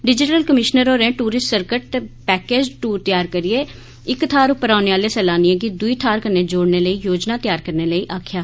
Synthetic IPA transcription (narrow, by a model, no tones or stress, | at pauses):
ɖɪd͡ʒɪʈəlkəmɪʃnəɾoːɾɛ̃ːʈuːɾɪsʈsəɾkəʈ̚t̪epɛːkeːd͡ʒʈuːɾt̪ɪjaːɾkəɾɪeː | ɪkt̪ʰaːɾʊpəɾaːʊneːʋaːleːsɛːlaːniẽːɡid̪ʊiːt̪ʰaːɾkənːeːd͡ʒoːɽneːləiːjoːd͡ʒnaːt̪ɪjaːɾkəɾneːləiːʔaːkʰjaː